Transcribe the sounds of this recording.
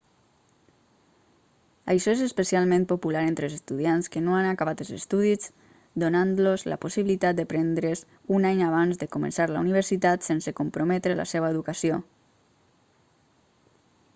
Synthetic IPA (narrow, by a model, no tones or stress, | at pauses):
əjʃɔezespəsialˠmẽnpopulaɾent̪ɾəlzest̪uðianskənoanakaβat̪əlzest̪uðiz | d̪onanlozlə̰posiβilit̪at̪̚d̪əpɾɛnd̪ɾez | unaɲaβ̞anzd̪əkomə̰nsaɾla̰uniβ̞əɾsit̪at̪sensəkompɾomɛt̪ɾələ̰seβəeðukasio